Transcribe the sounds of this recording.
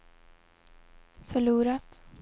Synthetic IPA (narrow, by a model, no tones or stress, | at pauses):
fœɭuːɾat̪